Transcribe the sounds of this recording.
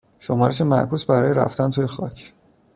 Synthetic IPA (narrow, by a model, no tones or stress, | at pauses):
ʃo̞mɒːɾeʃemæ̰ʔkʰuːsbæɾɒːjeɾæ̰ft̪ænt̪ʰuːjexɒ̰ːcʰ